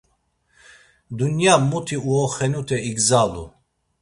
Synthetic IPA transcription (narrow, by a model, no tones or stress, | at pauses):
d̪unjamut̪ʰiuɔχɛnut̪ʰɛiɡzalṵ